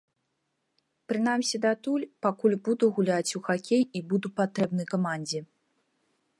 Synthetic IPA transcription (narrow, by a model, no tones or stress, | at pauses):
pɾɨn̪amsʲid̪at̪ulʲpakulʲbud̪uɣulʲat͡sʲuxakʲejibud̪upat̪ɾɛbnɨjkamanʲd͡zʲɛ